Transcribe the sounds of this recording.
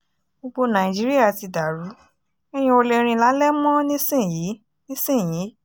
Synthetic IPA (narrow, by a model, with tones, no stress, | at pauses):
bo˧ɡ͡bo˧nã˨i˨d͡ʒi˨˦ɾi˦ja˦˨ti˨˧da˨ɾu˨˦ | ɛ˦j̃ĩ˧o˧le˧ɾ̃ĩ˧la˨˦lɛ˦mɔ̃˦nĩ˦sĩ˦˨ji˨˦ | nĩ˦sĩ˦˨ji˨˦